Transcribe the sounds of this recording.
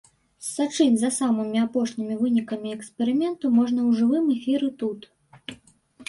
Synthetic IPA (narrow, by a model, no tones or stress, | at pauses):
sat͡ʂɨnʲzɐsamɨmʲiapɔʂnʲimʲivɨnʲikɐmʲiɛkspʲɛɾɨmʲɛnt̪umɔʐnɐwʐɨvɨmɛfʲiɾɨt̪ut̪